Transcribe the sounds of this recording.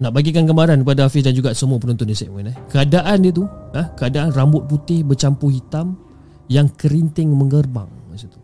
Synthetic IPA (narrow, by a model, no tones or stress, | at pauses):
naʔbaɡikankəmaɾankəpadaafɪs̬dand͡ʒuɡaʔsəmuapənunt̪ʊndisɛ̰ʔmənɛhkəadaʔandiət̪uəhkəadaʔanrambʊt̪̚put̪ɪhbət͡ʃampuhit̪am | jaŋkəɾint̪ɪŋməŋərba̰ŋmasat̪u̥